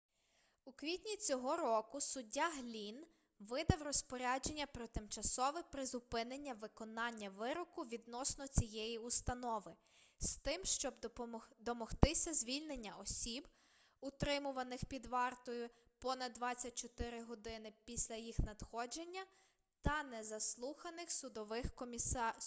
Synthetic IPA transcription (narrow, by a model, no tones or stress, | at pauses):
ukʋʲitʲnʲit͡sʲɔɦɔɾɔkʊsʊdʲːaɦlʲin | ʋɪd̪ɐwrɔspɔɾʲad͡ʒe̞nʲːɐpɾɔt̪ɪmt͡ʃɐsɔʋɪpɾɪzʊpɪnenʲːɐʋɪkɔnɑnʲːɐʋɪɾɔkʊʋʲid̪nɔsnɔt͡sʲijɛjiʊst̪ɐnɔʋɪ | st̪ɪmʃt͡ʃɔbd̪ɔmɔht̪ɪsʲɐzʲʋʲilʲnenʲːɐɔsʲib | ʊt̪ɾɪmʊʋɐnɪxpʲid̪ʋɑrt̪ɔjʊpɔnɐd̪dːʋɑt͡sʲːɐt̚ʲt͡ʃɔt̪ɪɾɪɦɔd̪ɪnɪpʲisʲlʲɐjixnɐd̪xɔd͡ʒe̞nʲːɐ | t̪ɐnɛzɐslˠuxɐnɪxsʊd̪ɔʋɪxkɔmʲis